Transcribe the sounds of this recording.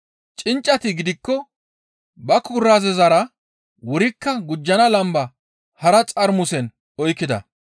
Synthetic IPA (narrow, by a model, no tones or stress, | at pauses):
t͡ʃʼɪnt͡ʃʼːɐt̪ɪɡɪd̪ɪkːɔ | bɐkʰʊɾːazɛzɐɾɐ | wʊɾɪkːɐɡʊd͡ʒːɐnɐlɐmbɐ | hɐɾɐt͡sʼɐɾmʊsɛn | ɔjkːɪd̪ɐ̰